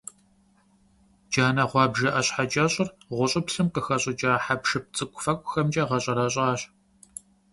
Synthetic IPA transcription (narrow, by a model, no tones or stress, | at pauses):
d͡ʒaːnɐʁʷɑːbʒɐʔɐɕħad͡ʒʼɐɕʼɪrʁʷʊɕʼɪpɬɨmqəxɐɕʼɪd͡ʒaːħapʂɨp̚t͡sʼɨkʷʼʊfɐkʷʼʊxɐmd͡ʒʼɐʁɐɕʼɐɾɐɕʼaːɕ